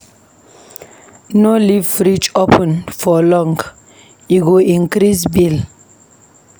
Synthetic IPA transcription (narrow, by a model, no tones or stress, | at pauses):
nolivfɾid͡ʒopʰə̃nfɔlɔ̃ŋɡ | iɡoĩnkɾisbil